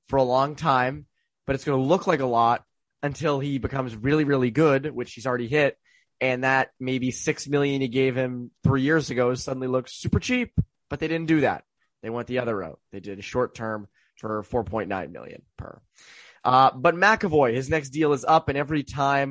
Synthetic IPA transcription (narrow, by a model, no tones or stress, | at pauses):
fə˞əlɔ̃ŋtʰãɪ̃m | b̥ʌɾɨtsɡ̥ʌnəlʊklaɪkəlɔɾ̚ | ɨ̃ntʰɪlˠibɨkʰʌ̃mzɹɪlˠiɹɪlˠiɡʊdwɨt͡ʃhizl̩ˠɹɛɾiɦɪɾ̚ | ɨ̃nðɨt̚meɪbisɪksmɪlˠjɨ̃niɡeɪv̥ɪ̃mθɹijɪɹzɨɡoʊ̥sʌdⁿn̩lilʊksʉpə˞t͡ʃʰip̚ | b̥ʌt̪̚ðeɪɾɪdⁿn̩d̥ɨðæ̰t̪̚ | ðeɪwɛ̃n̚ðiʌðə˞ɹo̰ʊt̚ðeɪdɨɾɨʃɔɹtʰɜ̃˞ɱ | fə˞fɔɹpʰɔ̃ɪ̃nːã̰ɪ̃nmɪ̰lˠjɨ̰̃npʰə̰˞ | ʔʌbʌt̚mækəvɔɪɨznɛksd̥ilˠəzʌpɨ̃ñɛvɹitʰãɪ̃m